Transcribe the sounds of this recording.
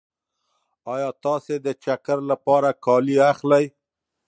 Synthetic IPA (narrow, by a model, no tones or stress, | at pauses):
ɑjɑt̪ɑsed̪ət͡ʃakaɾlapɑɾakɑliaxlaj